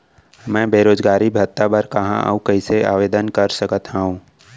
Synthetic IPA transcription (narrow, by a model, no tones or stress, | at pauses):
mɛ̃ːbʱeːɾoːzɡaːɾibʱɐt̪ːabɐɾkɐɦã̰ʔə̰kɐiseaːʋeːd̪ənkɐɾsəkət̪ɦaːɦũː